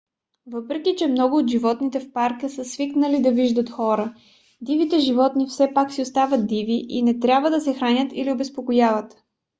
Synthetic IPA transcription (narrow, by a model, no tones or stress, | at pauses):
vɤpɾɛkʲit͡ʃɛmnɔɡʊːt̪ʒivɔt̪nit̪ɛfpaɾkəsəsviknəlid̪ɐviʒd̪ət̪xɔɾə | d̪ivit̪ɛʒivɔt̪nifsɛpaksiost̪avət̪̚d̪iviʔḭnɛt̪ɾʲjabvəd̪ɐsɛxɾanʲət̪iliobɛspokojavət̪